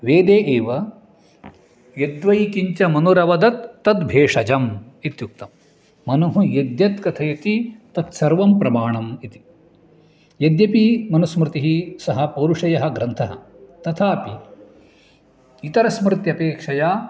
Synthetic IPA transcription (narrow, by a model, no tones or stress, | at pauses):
ʋeːd̪eːʔeːʋɐ | jed̪ʋɐjkiɲt͡ʃɐmɐnuɾɐʋɐd̪ɐt̪ːɐt̪bʱeːʂɐd͡ʒɐm | it̪juk̚t̪ɐmː | ɐnɐɦujɐd̪jɐt̪kɐt̪ʰɐjɐt̪it̪ɐt̪sɐɾʋɐmpɾɐmaːɳɐmit̪i̥ | jɐd̪jɐpimɐnɐsmɾɪt̪iɦisɐɦɐpɐɾuʂɐjɐɦɐ̆ɡɾɐnt̪ʰɐɦɐ̰ | t̪ɐt̪ʰaːpi | it̪ɐɾɐsmɾɪt̪jɐpeːkʂɐjaː